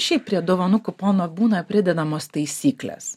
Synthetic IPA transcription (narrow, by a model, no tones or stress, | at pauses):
ʃʲɛɪp̚pʲɾʲiɛd̪oːʋɐnʊkʊpoːnobuːnɐpʲɾʲɪd̪ʲɛd̪ɐmoːst̪ɐɪsʲiːklʲḛːs